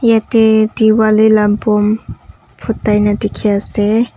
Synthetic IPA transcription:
jatediwalilampɔm | pʰʊt̪ːajnadikʰiase

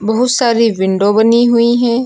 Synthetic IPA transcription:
bəɦʊt̪saːɾiːʋɪɳɖoːbəniɦʊiːɦɛ̃ː

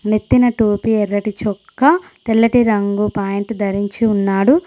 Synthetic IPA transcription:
nit̪ːinɐʈuːpiɛɾːɐʈit͡ʃɔkːɐ | t̪elːɐʈiɾɐŋɡupaːjiɳʈd̪ʱɐɾiɲt͡ʃiunːaːɽu

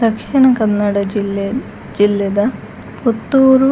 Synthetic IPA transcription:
d̪ɐkʂiɳɐkɐnːɐɽɐd͡ʒilːe | d͡ʒilːɐd̪ɐ | pot̪ːuːɾu

